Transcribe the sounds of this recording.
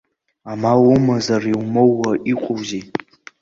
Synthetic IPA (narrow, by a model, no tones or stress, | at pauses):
amawʊmazariwmowːaʔiqʷʼowzi